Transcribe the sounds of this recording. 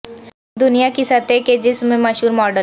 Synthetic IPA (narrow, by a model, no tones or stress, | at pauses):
d̪ʊnijakisɐt̪eked͡ʒɪsmẽmɐʃɦuːɾmɔːɖə